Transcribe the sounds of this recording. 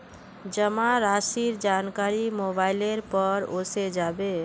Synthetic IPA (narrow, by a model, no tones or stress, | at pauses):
d͡ʒəmaɾasiɾd͡ʒankaɾimobaɪleɾpəɾosed͡ʒabe